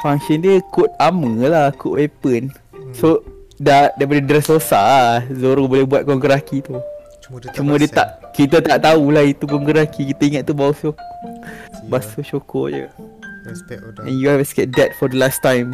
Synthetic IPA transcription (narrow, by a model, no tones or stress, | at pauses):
faŋsəndiəkʊt̪̚aməlakʊʔwepən | sodadajp̬adədɾɛsɾosazoɾobolɛhbuat̪̚kɔŋɡəɾakit̪u | t͡ʃumə̃diət̪aʔkit̪̬at̪aʔt̪aulahit̪ukɔŋɡəɾakikit̪aiŋat̪̚t̪ːubauso | basot͡ʃokɔ̰d͡ʒə̰ | ɛ̰̃njuɛvəsɡɛt̚dɛt̚fɔdəlast̪ãjm